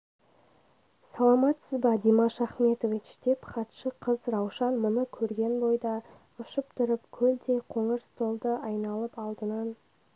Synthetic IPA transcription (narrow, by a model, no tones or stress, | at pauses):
sɑlˠɑmɑt̪səzbɑd̪imɑʃɑχme̞t̪ovit͡ʃd̪̥e̞pχɑt̪ʃəqʰəzɾɑwʃɑnmʊnəkʲʰɵɾɡʲe̞nbo̞jd̪ɑ | ʊʃəp̚t̪ʰʊɾəpkʲʰɵld̪e̞qʰo̞ɴəɾst̪o̞lˠd̪əʔɑjnɑlˠəpɑlˠd̪ənɑn